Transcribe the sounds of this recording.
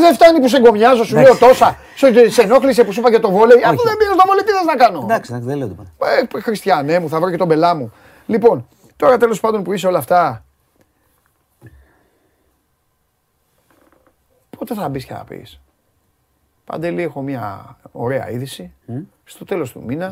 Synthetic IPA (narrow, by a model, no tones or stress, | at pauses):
ðeft̪ɐnipus̬eŋɡo̞mɲɐzo̞suleot̪o̞sɐ | sose̞no̞xlisepusipɐcɐt̪o̞volejɐft̪oðembist̪ovolet̪iðɐznɐkɐno̞d̪ɐsɐðeleot̪pexɾist̪çɐne̞muθɐvɾoce̞t̪o̞be̞lɐmu | lipo̞n | t̪o̞ɾɐt̪e̞lo̞spɐnd̪o̞npuis̬eo̞lɐft̪ɐ | po̞t̪e̞θɐbiscɐ̰ɐ̰pḭs | pɐ̰nd̪e̞liexo̞mɲɐ̰o̞̰ɾe̞ɐ̰iðisi | st̪o̞t̪e̞lo̞st̪ṵminɐ